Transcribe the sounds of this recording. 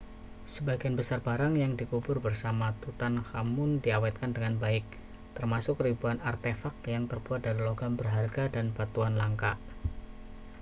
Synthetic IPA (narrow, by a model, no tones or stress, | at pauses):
səbaɡianbəsarbaɾaŋjaŋdikubʊrbərsamat̪ut̪anxamʊndiawɛt̪̚kandəŋanbaɪk̚ | t̪ərmasʊkribuanart̪efak̚jaŋt̪ərbuat̪̚daɾiloɡambərɦarɡadanbat̪uanlaŋka